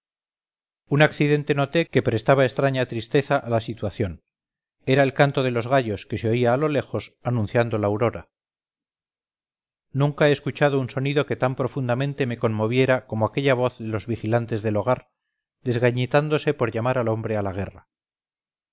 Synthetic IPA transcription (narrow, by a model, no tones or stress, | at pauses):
unakθiðe̞nt̪e̞no̞t̪e̞ke̞pɾe̞st̪aβaest̪ɾaɲat̪ɾist̪e̞θaʔalasit̪waθjo̞n | e̞ɾae̞lkant̪o̞ðe̞lo̞zɣaʎoske̞seo̞iaːlo̞le̞xo̞sanũnθjand̪o̞laːwɾo̞ɾa | nũŋkaeːskut͡ʃað̞o̞unso̞niðo̞ket̪ampɾo̞fund̪amẽ̞nt̪e̞me̞ko̞nmo̞β̞je̞ɾako̞moake̞ʎaβ̞o̞θðe̞lo̞zβixilant̪e̞zðe̞lo̞ɣ̞aɾ | ðe̞zɣaɲet̪and̪o̞se̞po̞ɾʎamaɾalo̞mbɾealaɣ̞e̞ra